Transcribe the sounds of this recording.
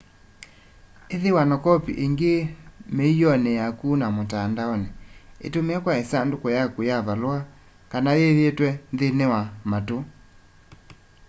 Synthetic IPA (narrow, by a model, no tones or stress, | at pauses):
eðewanɔkɔpḭʔeŋɡemeijɔnɛjakunamotandaɔnɛḛtomeakwaesandokɔjakujaβaloa | kanajeðetwɛnðenewamato